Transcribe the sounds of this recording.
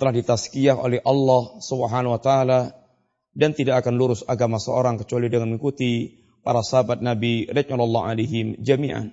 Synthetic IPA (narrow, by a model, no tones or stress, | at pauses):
t̪əlahdit̪askiaho̰lɛhʔɑlːɑhsubəɦanawat̪aala | dant̪idaʔːkanluɾʊsaɡamasəo̰ɾaŋkə̥t͡ʃualidəŋanəŋikut̪i | paɾasəɦabat̪̚nabiɾɛkalɔlːɑa̰laɦɪmd͡ʒamiʔa̰n